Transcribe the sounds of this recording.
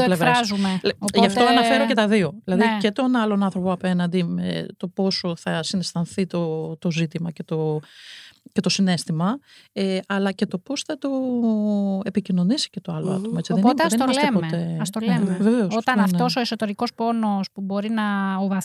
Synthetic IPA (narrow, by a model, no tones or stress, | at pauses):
t̪olevɾeɐszumeʝɐft̪oɐnɐfeɾoce̞t̪ɐðio̞ðilɐðice̞t̪o̞nɐlo̞nɐnθɾo̞poɐpe̞nɐnd̪imḛt̪o̞po̞soθɐsinest̪ɐnθit̪ot̪o̞zit̪imɐce̞t̪o̞ | cet̪o̞sine̞st̪imɐeɐlɐce̞t̪o̞po̞sθɐt̪o | e̞picino̞nisi̥ce̞t̪oɐloɐ̰t̪o̞mɐet͡siðent̪snimɐslt̪epot̪eɐst̪oleveveoot̪ɐnnɐfnt̪o̞soesot̪e̞ɾiko̞spo̞nospubo̞ɾinɐovɐ